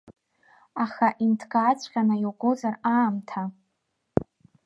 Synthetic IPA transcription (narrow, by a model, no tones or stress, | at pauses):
aχaʔintʰɡaːt͡ɕʷʰʼqʲanajiwɡʷozaraːmtʰa